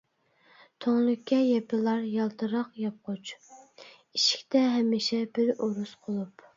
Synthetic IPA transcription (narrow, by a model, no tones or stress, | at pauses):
t̪ʰoŋlˠʊkʲʰːɛjɛpʰɪlˠɑɾjɑlˠt̪ʰɨɾɑqjɑp̚qʰot͡ʃ | iʃi̥kʲt̪ʰɛɦɛmːɪʃɛbɪɾoɾusqʰolˠup